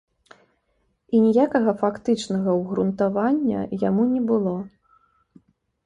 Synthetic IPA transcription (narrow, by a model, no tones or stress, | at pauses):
inʲijakɐɣɐfakt̪ɨt͡ʂnɐɣɐwɣɾunt̪avanʲːɐ̰jamunʲɛbɨlˠɔ